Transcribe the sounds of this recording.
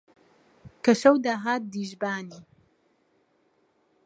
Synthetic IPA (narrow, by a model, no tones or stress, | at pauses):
kɐʃɐwd̪aːɦaːt̪̚d̪iːʒbaːniː